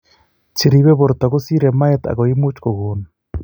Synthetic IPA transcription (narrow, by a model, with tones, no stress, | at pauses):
t͡ʃi˨ɾi˨βe˦βo˨ɾo˨ta˨ɣo˦si˦ɾe˨ma˦jɛta̰˨ɣɔ˨i˦mu˦t͡ʃko˨ɣo˨nu